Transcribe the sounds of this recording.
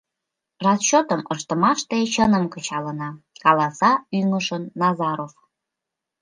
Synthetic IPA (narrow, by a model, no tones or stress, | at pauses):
rɑst͡ɕot̪əməʃt̪əmɑʃt̪et͡ɕənəmkət͡ɕɑlənɑkɑlɑsɑyŋəʃənːɑzɑɾof